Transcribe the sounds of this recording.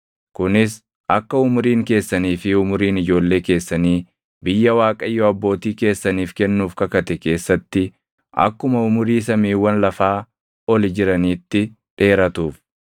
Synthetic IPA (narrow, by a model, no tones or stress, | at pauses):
kʊnɪs | ɐkːɐʊmʊɾiːŋke̞ːsːɐniːfɪʊmʊɾiːnɪd͡ʒo̞ːlːeːke̞ːsːɐniː | bɪjːɐwaːkʼɐjːoɐbːo̞ːt̪iːke̞ːsːɐniːfkɛnːuːfkɐkɐt̪ɛke̞ːsːɐt̪ːɪ | ʔɐ̰kːʊmɐʊmʊɾiːsɐmiːwːɐnlɐfaː | ɔlɪd͡ʒɪɾɐniːt̪ːɪ | ᶑe̞ːɾɐt̪uːf